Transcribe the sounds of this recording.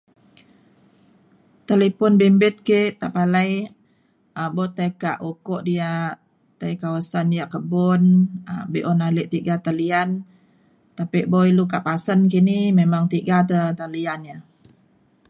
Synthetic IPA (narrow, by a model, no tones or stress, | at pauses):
t̪alepɔnbimbɪt̪̚keʔt̪aʔpalaj | ʔabɔt̪ajkaʔukɔʔdia | t̪ajkawasandijaʔkəbɔnabiʔɔnaleʔt̪iɡat̪alian | t̪apiʔboilukaʔpasənkinimemaŋt̪iɡat̪ət̪alianja